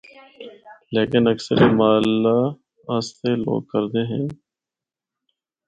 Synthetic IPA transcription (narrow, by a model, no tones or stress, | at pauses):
leːkɪnəksə̰ɾʔemaːlːaː | ast̪eːlo̰ːɡ̚kəɾd̪eːɦɛ̃ː